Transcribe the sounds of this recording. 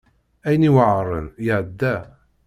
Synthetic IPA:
æjəniwəʕəɾˤə̰njəʕd̪ːæ

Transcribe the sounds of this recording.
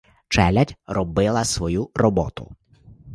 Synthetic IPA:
t͡ʃɛlʲɐtʲrɔbɪlˠɐsʋɔjurɔbɔt̪ʊ̰

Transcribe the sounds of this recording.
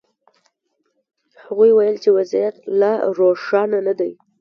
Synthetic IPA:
haɣujwajəlt͡ʃewazijat̪laɾoʂɑnanad̪aj

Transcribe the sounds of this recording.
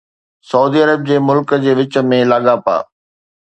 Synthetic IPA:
sɐuːd̪iɐɾəb̚d͡ʑeːmʊlkd͡ʑeːʋɪt͡ɕə̆mẽlɐɠapa̰ː

